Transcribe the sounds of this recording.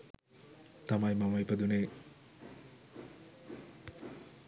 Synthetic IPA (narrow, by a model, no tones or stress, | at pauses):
t̪ɐmajmɐmɐjpɐd̪une